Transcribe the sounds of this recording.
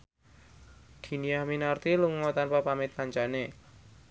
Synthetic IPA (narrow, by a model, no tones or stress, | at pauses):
d̪̥i̤nijahminart̪iluŋɔt̪anpapamɪt̪̚kaɲt͡ʃane